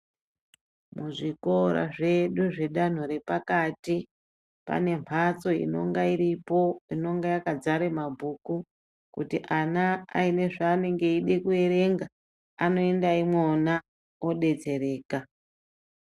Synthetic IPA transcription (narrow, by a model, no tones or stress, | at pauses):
muʐiko̞ɾa̰ʐe̞ɗuʐe̞ɗan̤uɾe̞pakati | pa̰ne̞mpʰat͡so̞ḭno̰ŋɡairipoino̞ŋɡejakad͡zaɾe̞mabʱuːku | kutiʔanaa̰ine̞ʐaːne̞ŋɡe̞iɗekue̞ɾe̞ŋɡa | ano̞e̞ndaimwona | o̞ɗe̞t͡se̞ɾe̞ːka